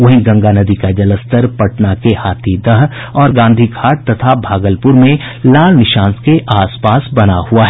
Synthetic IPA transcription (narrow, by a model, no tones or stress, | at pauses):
ʋɐɦĩɡɐ̃ŋɡanɐd̪ikad͡ʒɐləst̪əɾpɐʈnakehaːt̪ʰid̪ɐɦ | ɔːɾɡãːnd̪ʱikʰaːʈ̚t̪ɐt̪ʰabʱaːɡəlpʊɾmẽ | laːlnɪʃãːnskeʔaːspaːsbɐnahuaɦɛː